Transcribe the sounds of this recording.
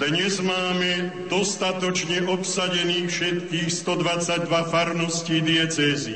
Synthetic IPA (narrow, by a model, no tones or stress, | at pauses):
d̪ɲɛzmaːmɛd̪ɔst̪at̪ɔt͡ʃɲɛʔɔpsaɟɛniːxfʃɛt̪kiːxst̪ɔd̪ʋat͡saɟ̚d̪ʋafaɾnɔsciːd̪iɛt͡sɛːzi